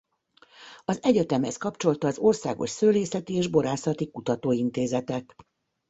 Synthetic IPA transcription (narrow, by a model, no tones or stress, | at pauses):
ɒzɛɟɛt̪ɛmhɛskɒpt͡ʃo̞lt̪ɒːzo̞rsa̰ːɡo̰ʃsøːleːsɛt̪ieːʒbo̞ɾaːsɒt̪ikut̪ɒt̪oːint̪eːzɛt̪ɛk